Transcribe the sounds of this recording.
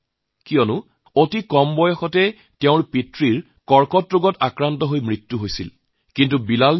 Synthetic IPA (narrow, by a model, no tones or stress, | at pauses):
kijɔnʊ | otikɔmbɔjɔxɔtɛ | teʊ̃ɹpitɹiɹ | kɔɹkɔtɹoɡɔtakɹantɔɦojmɹitːuɦojsil | kintubilal